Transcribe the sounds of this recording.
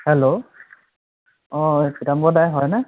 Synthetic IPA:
hɛlo | ɔkitambɔdajɦɔjnɛ

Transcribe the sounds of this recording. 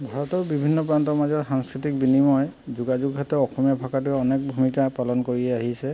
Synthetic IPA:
bʱaɹɔtɔɹbibʱinːɔpɹantɔɹmazɔtxaŋskɹitik̚binimɔjzuɡazuɡɦatɔɔxʰɔmjabʱakatʊɛɔnek̚bʱumikapalɔnkoɹiɛaɦisɛ

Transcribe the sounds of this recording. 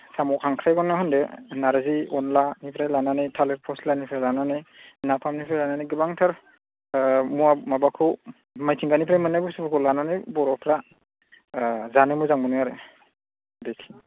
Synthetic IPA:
samɔkʰaŋkʰɾajɡɔnːahɔndenaɾɯziɔnlanipʰɾajlananɯjtʰaleɾpʰɔslanipʰɾalananɯjnapʰamnipʰɾajlananiɡɯbaŋtʰaɾ | muamabakʰɯw | majtʰiŋɡanipʰɾajmɯnajbusɯbɯkʰɔlananɯjbɔɾɔpʰɾa | zanɯmuzaŋbɔnɯaɾɯ | dekʰ

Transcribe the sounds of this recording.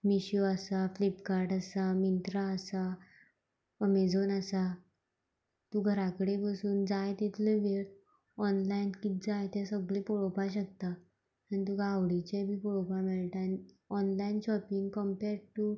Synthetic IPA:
miɕjoəsaflipkaɾʈəsamint̪ɾaəsa | əmed͡zonəsa | t̪uɡʱəɾakəɽepəsuːnd͡zajt̪et̪ʰuləʋeɭ | ɔnlainkit̪̚d͡zajt̪ɛsəɡɭepɔɭopaɕək̚t̪a | anit̪̬uɡawɽit͡ɕebʱiːpɔɭopameɭʈan | ɔnlainɕɔpiŋɡkəmpeɾɖʈu

